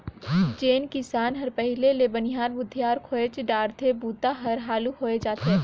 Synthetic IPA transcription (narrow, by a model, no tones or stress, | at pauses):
t͡ʃeːnkɪsaːnɦɐɾpɛɦɪleleːbənɪjaːɾbʊd̪ʱjaːɾkʰoːet͡ʃɖaːɾt̪ʰebuːt̪aɦɐɾɦaːluhoːed͡ʒaːt̪e